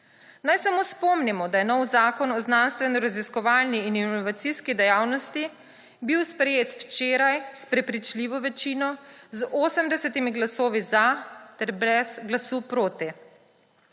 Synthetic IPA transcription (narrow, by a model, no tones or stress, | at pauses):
najsamospɔmnimɔd̪ajɛnɔwzaːkɔnɔznanst̪ʋɛnɔɾaziskɔʋaːlniininɔʋat̪siskid̪ɛjaːwnɔst̪i | biwspɾɛjeːt̪wt͡ʃeːɾajspɾɛpɾit͡ʃliʋɔʋɛt͡ʃiːnɔzʔoːsəmd̪ɛsɛt̪imiɡlasoːʋizat̪ɛɾbɾɛz̥ɡlasuːpɾoːt̪ɛ